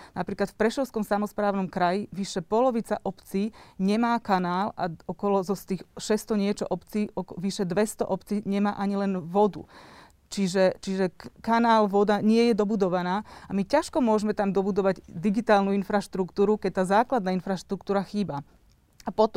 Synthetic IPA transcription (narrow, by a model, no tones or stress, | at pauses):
napɾiːklat̪fpɾɛʃɔʊskɔmsamɔspɾaːʊnɔmkɾajiʋiʃɛpɔlɔʋit͡saʔɔpt͡siːɲɛmaːkanaːlʔa̰ɔkɔlɔzɔst̪iːxʃɛst̪ɔɲɪɛt͡ʃɔʔɔpt͡siːɔkʋiʃɛd̪ʋɛst̪ɔ̰ʔɔpt͡siːɲɛmaːʔaɲilɛnʋɔd̪ṵ | t͡ʃiʒɛt͡ʃiʒɛkanaːlʋɔd̪aɲɪɛjɛd̪ɔbud̪ɔʋanaːamicaʃkɔmʊɔʒmɛt̪amd̪ɔbud̪ɔʋaɟd̪iɡit̪aːlnuinfɾaʃt̪ɾukt̪uːɾukɛc̚t̪aːzaːklad̪naːinfɾaʃt̪ɾukt̪uːɾaxiːba | apɔt̪ɔ